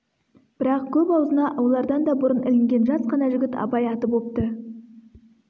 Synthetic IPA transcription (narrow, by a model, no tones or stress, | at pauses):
b̥ɪɾɑq̚kʲʰɵpɑwzənɑʔwo̞lˠɑɾd̪ɑnd̪ɑbʊɾənɪlɪŋɡʲe̞nʒɑsqʰɑnɑʒʏɡʲɪt̪ɑ̰bɑjɑt̪əp̬wop̚t̪ə